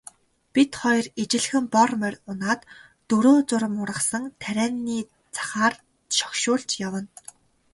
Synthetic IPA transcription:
pit̪χɔjɞ̆ret͡ɕɪ̆ɮxɘ̆mpɔrmærʲʊnaːt̪ː | ɵɾoːt͡sʊɾə̆mʊɾə̆χsə̆ŋt̪ʰæɾʲæːnːiː | t͡sʰḁχaːr | ʃɔ̥kʃʊːɬt͡ɕjawə̆n

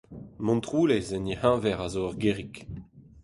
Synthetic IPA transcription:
mɔ̃nt̪ʁuːlezɛnihãvɛʁazoaʁɡeːʁik

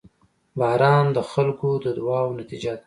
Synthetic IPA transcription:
bɑːɾɑnd̪əxalkod̪əd̪wɑwnat̪id͡ʒad̪ḁ

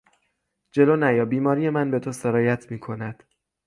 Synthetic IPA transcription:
d͡ʒe̞lonæjɒːbiːmɒːɾije̞mænbe̞t̪ʰoseɾɒːjæt̪ʰmiːkʰo̞næd̪̥

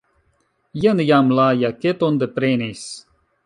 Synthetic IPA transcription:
jənjamlaːjaket̪ond̪epɾenis

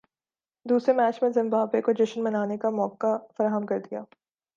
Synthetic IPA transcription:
d̪uːsɾemɛːt͡ʃmẽzɪ̃mbaːbekod͡ʒɪʃənmɐnaːnekamɔːkafɐɾaːɦəmkɐɾd̪ija̰ː

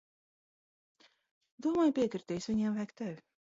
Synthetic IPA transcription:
d̪uɔmaːjpʲiɛkɾiɾt̪ʲɛːjsvʲiɲɛmvæjkt̪ævʲ

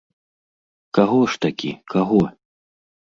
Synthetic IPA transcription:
kaɣɔʂt̪akʲḭkaɣɔ

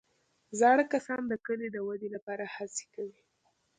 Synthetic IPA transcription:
zɑɽəkasɑnd̪əkəled̪əwad̪elapɑɾahase̥kawi

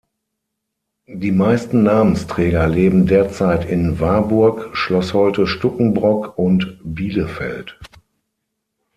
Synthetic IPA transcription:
d̥iːmaɪstn̩naːmənstʁ̥ɛːɡɐleːbm̩deːɐt͡saɪtɪnvaɐbʊɐkʃlɔshɔʏtəʃtʊkŋ̩bʁɔkʊntbiːləfɛ̰lt

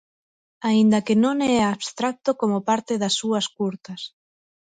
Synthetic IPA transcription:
aind̪ɐkenõŋɛaβst̪ɾak̚t̪okomopaɾt̪ɪðɐsːuɐskuɾt̪ɐs

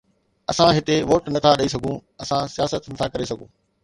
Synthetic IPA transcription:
ɐsãɦɪt̪eʋoːʈnɐt̪ʰaɗɐis̬ɐɡʱũːɐsãsijaːsət̪nɐt̪ʰakɐɾesɐɡʱũː

